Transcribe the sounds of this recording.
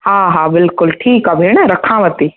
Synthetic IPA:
hãːɦãbɪlkʊlʈʰiːkɐbʱenaɾɐkʰãʋət̪iː

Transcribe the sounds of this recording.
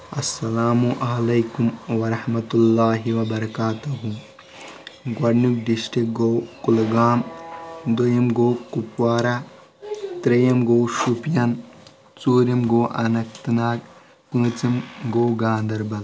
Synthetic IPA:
ɐsːɐlaːmuʔɐlɐjkumwɐɾɐhmɐt̪ulːaːɦiʋɐbɐɾɐkaːt̪uɦu | ɡwɐɖnuk̚ɖisʈɾik̚ɡowkulɡaːmd̪ojɐmɡoːkupwaːɾa | t̪ɾejɐmɡowʃupjɐn | t͡suːɾimɡoːʔɐnɐk̚t̪naːk | pũːt͡simɡoːɡaːnd̪ɐɾbɐl

